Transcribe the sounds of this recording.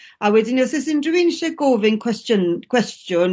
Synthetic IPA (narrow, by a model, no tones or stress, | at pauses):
awɛdinisɛsɪndrinʃɛɡoːvɪnkʰwɛstənkʰwɛstʰjʊn